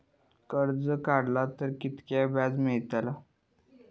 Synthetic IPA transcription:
kəɾd͡zəkaɽlat̪əɾkit̪kabad͡zmiɭt̪ala

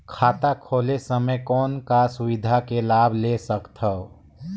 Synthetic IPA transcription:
kʰaːt̪akʰoːlesəməjkɔːnkasʊwɪd̪ʱakelaːbʱlesəkt̪ʰəo

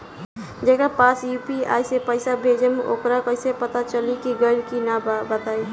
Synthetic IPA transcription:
d͡ʒɛːkapaːsjuːpia̰ːjsepəɪsabʱeːd͡ʒemeʔo̰kɾakəɪsepət̪at͡ʃəlikiɡəlkinabət̪aːi

